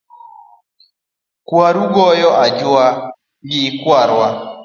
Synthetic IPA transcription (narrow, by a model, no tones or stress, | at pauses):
kwaɾuɡɔjɔʔad͡ʒwa | ɡɪkwaɾwa